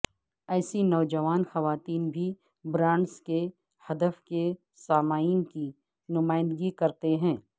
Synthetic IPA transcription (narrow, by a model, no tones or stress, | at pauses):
ɛːsinɔːd͡ʒɐʋaːnxɐʋaːt̪iːnbʱi | bɾãːɳɖske | hɐd̪əfke | saːmaːinki | nʊmaːɪ̃nd̪əɡikɐɾt̪eɦɛ̃ː